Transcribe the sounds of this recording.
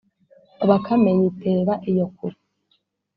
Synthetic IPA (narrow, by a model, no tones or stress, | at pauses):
oβakʰameɲitʰeːβaʔijokuɾi